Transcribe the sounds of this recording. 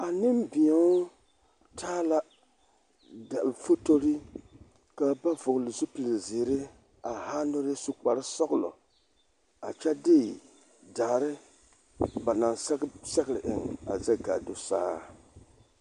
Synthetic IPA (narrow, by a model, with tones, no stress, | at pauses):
a˨nɪ˦mbi˨ɲɛ˨˦ | tʰaː˦la˦ | da˨bfo˦to˦ɾi˦ | ka˨ba˦vʊ˨klɪ˨zʊ˦pi˨lɪ˨zɪ˨ɾɪ˦ | a˨haː˦nʊ˦ɾsu˦k͡pa˨ɾɪ˦sɔ˦ɣlɔ̰˨ | a˨t͡ʃɛ˦dɪ˦ | daː˨ɾɪ˦ | ba˨na˨nssɛ˦ɣɪ˦ɾɪ˨ʔɪ˨ŋa̰˨za˦ɡa̰˨dʊ˦sa̰ː˦